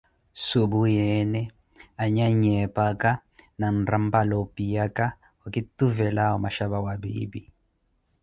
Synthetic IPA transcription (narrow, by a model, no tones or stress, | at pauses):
subujɛnɛ | aɲaɲɛpakananrambalɔpijaka | wakituvɛlaɔmaʃaβawabḭːbi